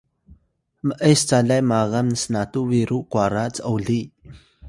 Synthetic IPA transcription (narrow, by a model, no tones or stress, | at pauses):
məʔəjst͡saɮajmaɣəmnəsnatuwiɾuʔkwaɾat͡səəwɮi